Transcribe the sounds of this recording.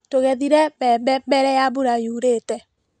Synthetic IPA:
toɣɛðiɾɛbɛbbɛɾɛjabuɾajuɾetɛ

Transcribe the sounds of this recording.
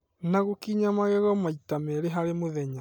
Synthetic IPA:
naɣokiɲamaɣɛɣɔmaitamɛɾeɦaɾemoðɛɲa

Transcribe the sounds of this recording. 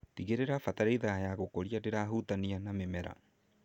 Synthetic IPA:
tiɣeɾeɾafataɾeiðajaɣokoɾiadeɾaɦutanianamemɛɾa̰

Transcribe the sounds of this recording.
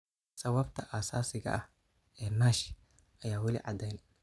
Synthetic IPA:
sɐwɐbt̪ʰɐʔɐsaːsɪɣɐ̰ʔɐh | ɛːnaːʃ | ʔɐjaːwɑlḭːʕɑd̪ɛjnɛ

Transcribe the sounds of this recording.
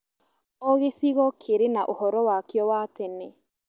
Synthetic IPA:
ɔɣesiɣɔkʰeɾenaʔohɔɾɔwakjɔwatɛnɛ

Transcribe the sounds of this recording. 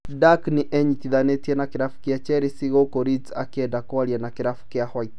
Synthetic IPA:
dakniʔɛɲitiðanetiɛnakiɾafu̥kiat͡ʃɛɾisiɣokoɾid͡za̰kɛdakɔalianakiɾafu̥kiahɔit

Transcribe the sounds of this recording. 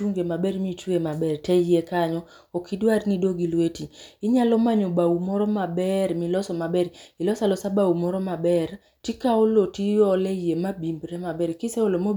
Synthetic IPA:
uŋɡemabɛɾmit͡ʃwemabɛrtɛjekaɲɔ | okidwarnidoɡilwetiɪɲalɔmaɲobaumɔɾɔmabɛɾmilɔsɔmabɛɾilɔsalɔsabaumɔɾɔmabɛɾ | tikaɔlotiɔlɛjemabimbɾɛmabɛɾkɪsɛɔlomo

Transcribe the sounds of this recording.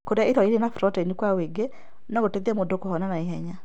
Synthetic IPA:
koɾaiɾɔiɾenafɾɔtanikwaweɡe | nɔɡoteðemodokohɔnanaiɦɛɲa

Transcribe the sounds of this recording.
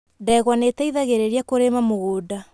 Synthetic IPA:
dɛɣwanetɛiðaɣeɾeɾiakoɾemamoɣoːda

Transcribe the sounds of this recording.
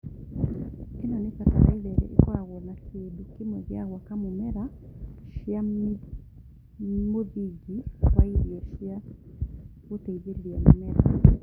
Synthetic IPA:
kenanepataɾa̰ilɛɾɛ̰ʔḛkwaɣɔnakʰedukemɔɣja̰ɣwakamomɛɾa | ʃia | moðiɡiwaiɾjɛʃja | ɣoteiðeɾɾɛmomɛɾa̰

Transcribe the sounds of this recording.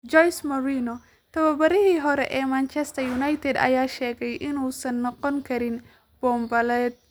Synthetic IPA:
d͡ʒɔjsmɐɾiːnɔ | t̪ʰɐβɐbɐɾɪɦiːɦɔɾɛ̰ʔɛːmant͡ʃɛst̪ʰɐjunajt̪ʰɛd̪ɐ̰jaːʃɛːɣɛjʔɪnuːsɐnːɔqɔŋkʰɐɾɪn | b̥ɔːmbɐlɛːd̪̚

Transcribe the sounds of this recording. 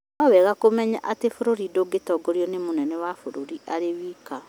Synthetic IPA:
nɔwɛɣakomɛɲa̰ʔatefoɾoɾidoɡetɔɡoɾiɔnemonɛnɛwafoɾoɾiʔaɾewiːka

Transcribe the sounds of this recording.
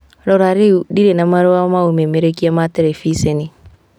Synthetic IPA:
ɾɔɾaɾiudiɾenamaɾɔwamaumɛmɛɾekiamatɛɾɛfisɛni

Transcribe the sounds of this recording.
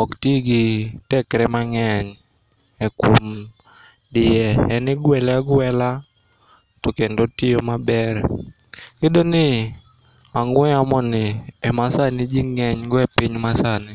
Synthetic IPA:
ɔktiɡɪtɛkɾɛmaŋɛɲ | ɛkwom | dɪɛɛnɪɡwɛlɛaɡwɛla | tɔkendotɪomabɛɾ | kɪdonɪ | aŋwɛamɔnɪɛmasanɪd͡ʒiŋɛɲɡɔɛpiɲmasanɪ

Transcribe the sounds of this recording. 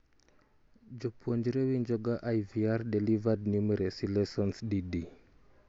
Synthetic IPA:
d͡ʒopuoɲd͡ʒiɾewiɲd͡ʒɔɡaʔajviaɾdelivadnumɛɾesilɛsɔnsdidi

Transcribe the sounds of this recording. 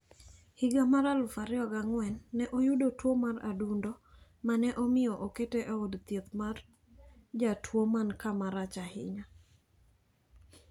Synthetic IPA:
hɪɡamaɾalʊfaɾɪɔɡaŋwɛnːɛʔojudotwomara̰dundo | manɛʔɔmɪɔʔoketeʔoodt̪jet̪mar | d͡ʒatʰwomankamaɾat͡ʃahɪ̰ɲa

